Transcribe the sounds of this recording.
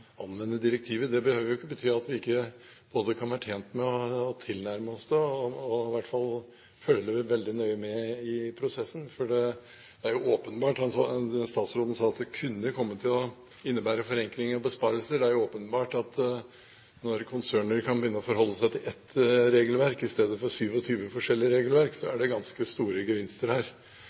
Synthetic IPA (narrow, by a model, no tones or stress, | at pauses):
ɑnːʋɛnːəd̪ɪɾək̚t̪ʰiːʋəd̪ɛbəhøːʋəɾjʊɪkːəbət̪ʰyːɑt̪ʋɪɪkːə | b̥oːd̪əkʰɑnʋæːɾəʈʰjeːnt̪mɛɔːt̪ʰɪlnæɾməɔsd̪ɛɔɪʋæʈːfɑl | fœlːəʋɪʋɛld̪ɪnœʏəmɛɪpʰɾʊsɛsːənfɔɖɛ | d̪ɛæɾjʊoːpənbɑːʈhɑnsɑst̪ɑːt̪sɾoːd̪ən̩sɑːɑt̪̚d̪ɛkʰʉnːəkʰɔmːət̪ʰɪlɔ | ɪnːəbæːɾəfɔɾɛŋkɾɪŋəɾɔbəspɑːɾəlsəɖɛæɾjʊoːpənbɑːʈɑt̪ | nɔɾkʰʊnsøːɳəɾkʰɑnbɪʏːnːəɔfɔɾɦɔlːəsæɪt̪ʰɪlʔɛt̪ːɾeːɡəlʋæɾkɪst̪eːd̪əfɔɾsyːʋɔt̪ʰyːʋəfɔʂɛlːɪəɾeːɡəlʋæɾksɔæɖɛɡɑnskəst̪uːɾəɡəʋɪnst̪əɾhæːɾ